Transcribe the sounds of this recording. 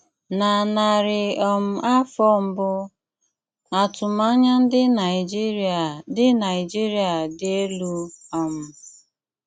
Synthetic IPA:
na˨na˨ɾɪ˨ɔ˨m̩˨a˦fɔ˦m̩˦bʊ˦ | a˨tʊ˨ma˦ɲa˦n̩˦dɪ˦na˨ɪ˨d͡ʒi˦ɾa˨dɪ˦na˨ɪ˨d͡ʒi˦ɾi˦a˨dɪ˦e˦lu˦ɔ˨m̩˨

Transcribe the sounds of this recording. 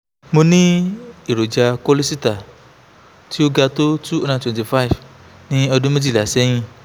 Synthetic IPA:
mo˧nĩ˦i˨ɾo˨d͡ʒa˧ko˦li˦si˦ta˨ | ti˦o˦ɡa˧to˦tu˦o˧nã˧˨twɛ̃˨ti˨fa˦i˨f | nĩ˦ɔ˧dũ˦me˦d͡ʒi˦˨la˨sɛ˨˦j̃ĩ˧

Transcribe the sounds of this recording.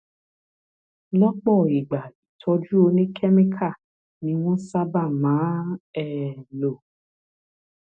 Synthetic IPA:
lɔ˦k͡pɔ˦˨i˨ɡ͡ba˨i˨tʰɔ˧d͡ʒu˦o˧nĩ˦kʰɛ˦mẽ˦kʰa˦˨ | nĩ˧˦w̃ɔ̃˦sa˦ba˦˨mãː˨˦ɛ˦˨lo˨

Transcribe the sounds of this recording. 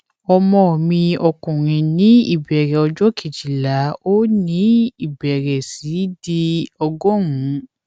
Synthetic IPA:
ɔ˧mɔ̃˧˨mĩ˧ɔ˧kũ˨ɾ̃ĩ˨nĩ˨˦ḭ˦˨bɛ˨ɾɛ˨ɔ˧d͡ʒɔ˦ke˨d͡ʒi˨la˨˦o˦nĩ˦i˨bɛ˨ɾɛ˨si˨˦di˧ɔ˧ɡɔ̃˦ŋũ˨˦

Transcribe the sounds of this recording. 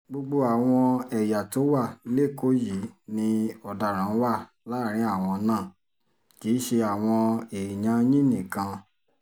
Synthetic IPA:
ɡ͡bo˧ɡ͡bo˧a˨w̃ɔ̃˧ɛ˨ja˨to˨˦wa˦˨˦le˦˨ko˦ji˨˦nĩ˧ɔ˨da˨ɾ̃ã˨˦wa˦˨ | la˦˨ɾ̃ĩ˨˦a˦˨w̃ɔ̃˧nãː˦˨ | ki˨˦ʃe˧a˨w̃ɔ̃˧e˨i˨ɲã˧˦jĩ˦nĩ˦˨kã˧

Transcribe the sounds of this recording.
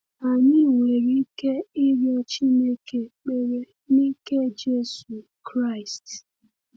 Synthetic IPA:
a˨ɲɪ˦u˨ŋe˨ɾi˦ke˦ɪ˦ɾjɔ˦t͡ʃi˦ne˦ke˨k͡pe˨ɾe˨ | ni˦ke˦d͡ʒe˦su˨ | kɾa˦˨ɪ˨st

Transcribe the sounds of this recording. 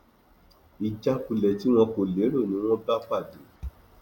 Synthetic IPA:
i˧d͡ʒa˦ku˧lɛ˨ti˦w̃ɔ̃˧ko˨le˨˦ɾo˦˨nĩ˨˦w̃ɔ̃˦ba˦k͡pa˦˨do˨˦

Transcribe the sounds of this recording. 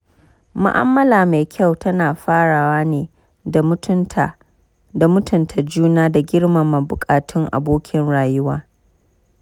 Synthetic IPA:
mʊ̰˦ʔa̰˦mːɐ˦laː˨ma˨jkʲʰa˦˨wtʰɐ˦naː˨ɸaː˦ɽaː˨waː˦neː˨˦˨ | da˨mʊ˦tʰʊ˨ntʰa˨d͡ʒuː˦naː˦da˨ɡʲɪ˦ɽma˨ma˨bʊ˨kʼaː˨tʊ˦ŋʔa̰˨boː˦kʲʰɪ˨nɽaː˨jʊ˦waː˦

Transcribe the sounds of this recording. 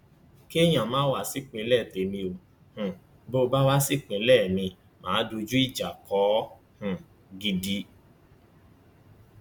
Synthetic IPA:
ki˦e˦˨j̃ã˨mãː˦wa˦˨si˦k͡pĩ˧˦lɛ˦˨te˨mĩ˧o˨ | hũ˨ | bo˦˧ba˦wa˦si˦˨k͡pĩ˨˧˦lɛ˦˨mĩ˧ | mãː˨˦du˧d͡ʒu˦i˦˨d͡ʒa˨kɔ˨˦ | hũ˨ | ɡi˧di˧˦

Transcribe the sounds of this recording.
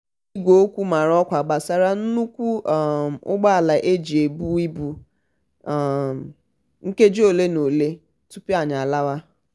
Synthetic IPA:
i˦ɡʷo˨o˦kʷu˦ma˨ɾɔ˦kʷa˨ɡ͡ba˨sa˨ɾa˦n̩˦nu˦kʷu˦˨ | ʊ̰˦ɡ͡ba˦a˨la˨ʔe˦d͡ʒe˨bu˦i˦bu˦˨ | m˨ | ŋ̩˦ke˦d͡ʒo˨le˦no˨le˦ | tu˦pi˦a˨ɲa˨a˨la˦wa˦

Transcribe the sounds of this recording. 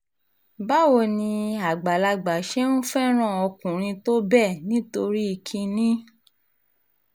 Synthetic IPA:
ba˦wo˧˨nĩ˧a˨ɡ͡ba˨la˧ɡ͡ba˨ʃe˦nũ˦fɛ˦ɾ̃ã˦˨ɔ˧kũ˨ɾ̃ĩ˧to˦bɛ˦˨nĩ˨˦to˧ɾi˦i˧kʰĩ˧nĩ˦

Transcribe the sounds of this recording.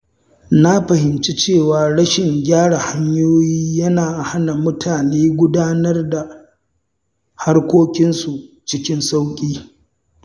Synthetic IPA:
na˦ɸɐ˨hɪ˨mt͡ʃi˦t͡ʃeː˦˨waː˨ɽɐ˦ʃɪ˨ŋɡʲaː˦ɽa˨ha˦ɲjoː˦jiː˦jɐ˦naː˨ʔa˨ha˦na˨mʊ˦tʰaː˨neː˦ɡʷʊ˦daː˦nɐ˦rda˨ | ha˦rkʷoː˦kʲɪ˦nsu˨ | t͡ʃɪ˦kʲɪ˦nsa˦wkʲʼiː˦

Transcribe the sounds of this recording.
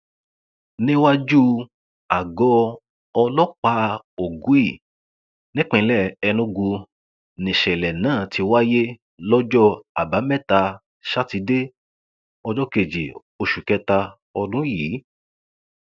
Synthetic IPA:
nĩ˦wa˦d͡ʒu˦ | a˨ɡɔ˨˦ | ɔ˧lɔ˦k͡pa˧˦ | o˨ɡũ˨˦i˦˨ | nĩ˦k͡pĩ˨˦lɛ˦˨ɛ˧nũ˦ɡu˧ | nĩ˨ʃɛ˨lɛ˨nãː˨˦˨tʰi˧wa˦je˦ | lɔ˦d͡ʒɔ˦a˨ba˨˦mɛ˦˨ta˧ | ʃa˦ti˧de˦ | ɔ˧d͡ʒɔ˦ke˨d͡ʒḭ˨ | o˧ʃu˨kɛ˧˦ta˧ | ɔ˧dũ˦jiː˨˦

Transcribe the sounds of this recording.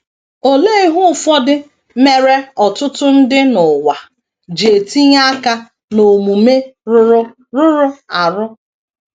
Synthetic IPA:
o˨le˦ɦʊ˦˨fɔ˦dɪ˦ | me˨ɾe˦ɔ˨tʊ˦tʊ˦n̩˦dɪ˦nʊ˨wa˨ | d͡ʒe˨ti˦ɲa˦ka˦ | no˨mu˨me˦ɾʊ˦ɾʊ˦ | ɾʊ˦ɾʊ˦a˨ɾʊ˦

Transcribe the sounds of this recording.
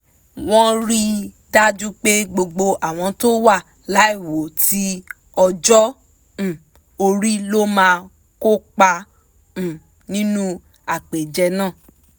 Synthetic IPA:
w̃ɔ̃˦ɾi˦ | da˦d͡ʒũ˦k͡pe˦ɡ͡bo˧ɡ͡bo˧ʔa˨w̃ɔ̃˧to˦wa˦˨ | la˨˦i˦˨wo˨˦tʰi˦ | ɔ˧d͡ʒɔ̃˦˨ | o˧ɾi˦lo˦mãː˧ | ko˦k͡pã˧˨ | nĩ˦nũ˦ | a˦˨k͡pe˨d͡ʒɛ˧nãː˦˨

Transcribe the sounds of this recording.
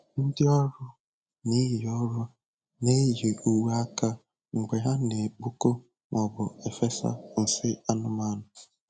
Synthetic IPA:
n̩˦dɪ˦ɔ˦ɾʊ˦ | ni˦ɦɪ˨ɔ˦ɾʊ˦ | ne˦ɦe˨u˨wa˦ka˦ | ŋ͡m̩˨ɡ͡be˨ɦa˦ne˨k͡pu˦ko˦ | ŋʔɔ˨bʊ˨e˨fe˦sa̰˦n̩˨sɪ˦a˦nʊ˦ma˦nʊ˨

